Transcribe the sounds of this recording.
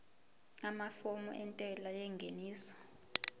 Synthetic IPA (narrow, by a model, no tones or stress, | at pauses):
ŋamafomuʔɛntʼɛlajɛŋɡʱeniːsɔ̥